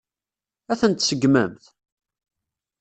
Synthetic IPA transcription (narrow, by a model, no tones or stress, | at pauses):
æθənt̪səɡməmθ